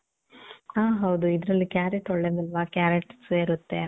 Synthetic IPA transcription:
aːɦɐwd̪uid̪ɾɐlːikjaːɾeʈɔɭːed̪ilʋakjaːɾeʈseːɾut̪ːe

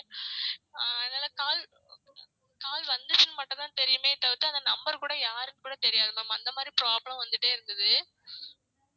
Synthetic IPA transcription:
ɐðnaːlɐkaːl | kaːlʋɐnd̪ɯt͡ʃːɯnɯmɐʈːɐ̃t̪ãːt̪ɛɾɪjɯmeːt̪ːɐʋɪt̪ːɯɐnd̪ɐnɐmbɐɾkuːɽɐjaːɾɯnɯkuːɽɐt̪ɛɾɪjaːðɯmamãːɐnd̪ɐmaːd̪ɾipɪɾaːblɐmʋɐnd̪ɯʈːeːɪɾɯnd̪ɐðɯ

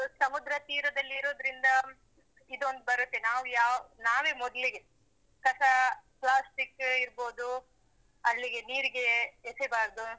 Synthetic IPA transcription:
sɐmud̪ɾɐt̪iːɾɐd̪ɐlːiːɾoːd̪ɾind̪ɐ | id̪ond̪ubɐɾut̪ːenaːʋujaːnaːʋeːmɔd̪ɐliɡe̞ | kɐsɐplaːsʈikiɾbo̞ːd̪u | ɐlːiɡe̞niːɾiɡe̞ːsebaːɾd̪u

